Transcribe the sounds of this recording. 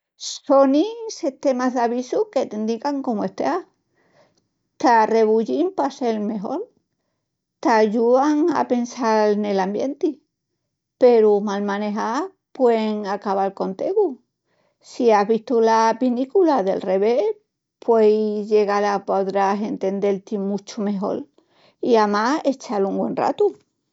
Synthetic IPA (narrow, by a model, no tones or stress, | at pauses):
so̞niset̪e̞maɦðaβisuke̞t̪ind̪ikaŋko̞moe̞ht̪a | t̪are̞βuʎimpase̞lme̞ɦo̞̰ɾ | t̪aʝuaŋa̰pe̞nsaɾne̞lambje̞nt̪i | pe̞ɾumalmãne̞ɦa | pweŋakaβalko̞nt̪eɣu | siaɦβist̪ulapinikulaðe̞̰lre̞βe̞ | pwejʝe̞ɣalapoðɾase̞nt̪e̞nd̪e̞lt̪imut͡ʃume̞ɦo̞̰l | iamae̞t͡ʃaluŋɡwe̞̰nra̰t̪u